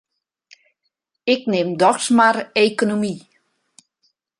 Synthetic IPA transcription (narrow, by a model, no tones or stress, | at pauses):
ɪknɪmdɔxsmarejkonomi